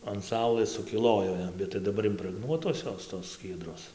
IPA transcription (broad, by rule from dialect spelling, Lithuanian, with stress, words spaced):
ɐn ˈsɐʊlˠɘs sʊkʲɪˈlˠoːjoː ˈjɛm bʲɛt tɐɪ dɐˈbɐr ɪmprəɡˈnuɔtoːs ˈjoːs toːs ˈsʲkʲiɛdroːs